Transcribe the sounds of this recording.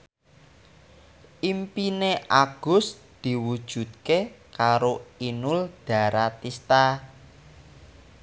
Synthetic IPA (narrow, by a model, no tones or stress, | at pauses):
ʔimpineʔaɡ̥ʊ̤s | d̪̥i̤wud̥ʒ̥ṳt̪kekaɾoinʊld̪̥ä̤ɾat̪ist̪a